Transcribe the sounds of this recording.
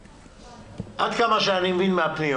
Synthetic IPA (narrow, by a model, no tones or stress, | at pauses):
ʔad̪kamaʃeanimevinmeapni